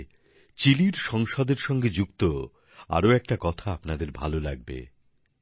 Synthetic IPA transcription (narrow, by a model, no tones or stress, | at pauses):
t͡ɕiliɾʃɔŋʃod̪eɾʃɔŋɡed͡ʑukt̪o | a̰ɾoɛk̚ʈakɔt̪ʰaapnad̪eɾbʱa̰lolaɡ̚bḛ